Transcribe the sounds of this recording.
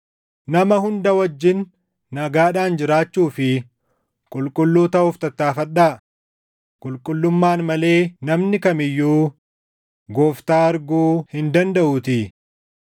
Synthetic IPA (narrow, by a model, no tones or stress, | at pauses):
nɐmɐhʊnd̪ɐwɐd͡ʒːɪnː | ɐɡaːᶑaːnd͡ʒɪɾaːt͡ʃːuːfɪ | kʼʊlkʼʊlːuːt̪ɐhʊft̪ɐt̪ːaːfɐᶑaː | kʼʊlkʼʊlːʊmːaːnmɐle̞ːnɐmnɪkɐmɪjːuː | ɡoːft̪aːɐɾɡoːhɪnd̪ɐnd̪ɐʔʊt̪ɪ